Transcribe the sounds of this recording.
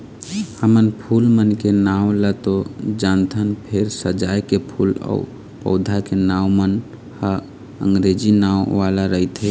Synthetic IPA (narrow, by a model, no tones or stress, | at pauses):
həmənpʰuːlmənkenawlət̪od͡ʒant̪ʰənpʰeɾsəd͡ʒaːjkepʰuːlɔ̰ʊ | pə̰ʊd̪ʱakenaːwmən | hə | ə̰̃ŋɡɾed͡ʒinawʋalaɾəɦit̪ʰɦe